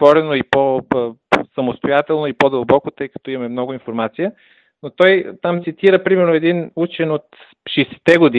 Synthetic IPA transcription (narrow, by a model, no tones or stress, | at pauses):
vɔɾɛnoipo | sɐmost̪ojat̪ɛlˠnoipod̪ɐlˠbɔkot̪ɤjkɐ̥t̪ɔimɐmɛmnɔɡʊinfoɾmat̪sijə | not̪ɔjt̪amt̪sit̪iɾəpɾimɛɾnoɛd̪inut͡ʃɛnot̪ | ʃɛsɛ̥t̪ɛɡod̪i